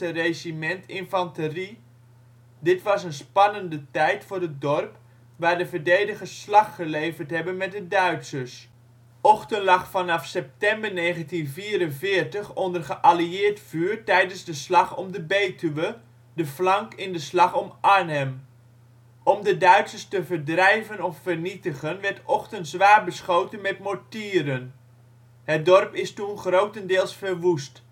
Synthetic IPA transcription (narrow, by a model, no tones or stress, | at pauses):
əreimɛntʰɪnfɑntəri | dɪtʋɑsənspɑnəndətɛjtfʊːrət̚dɔrp | ʋaːrdəvəɹdejdəɣəslɑxχəlejvərtɦɛbənmɛt̚dədœɥtsəs | ʔɔxtənlɑχfɑnɑfsɛp̚tɛmbərneːɣəntinviːɾənvɪərtəχɔndərχəʔaliɪːrtfyːrtɛjdənzdəslɑxɔmdəbeːtyʋə | dəflaŋkɪndəslɑxɔmʔanɛm | ɔmdədœɥtsəstəvərdrɛjvənɔffərnitəɣənʋɛrɹtɔxtəntzʋaːrbəsχoːtənmɛtmotiːɾən | hət̚dɔrpɪstunχrowtəndɪːlˠsfərʋust